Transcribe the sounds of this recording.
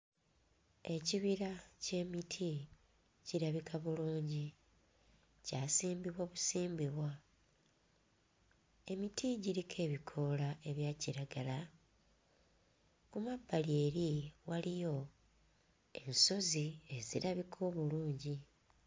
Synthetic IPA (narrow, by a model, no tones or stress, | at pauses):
e̞ciβiɾace̞ːmitʰi | ɟiɾaβikʰaβuluːɲɟi | caːsiːmbiβwaβusiːmbiβwa | e̞mitʰiɟiɾikʰe̞ːβikʰo̞lae̞βjaːciɾaɡala | kumabːalie̞ːɾiwalijo̞ | e̞̰nso̞zie̞ziɾaβikʰo̞ːβuluːɲɟi